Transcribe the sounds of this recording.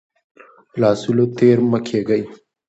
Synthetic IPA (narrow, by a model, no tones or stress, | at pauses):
lɑːsulot̪eːɾməkʰeːɡəj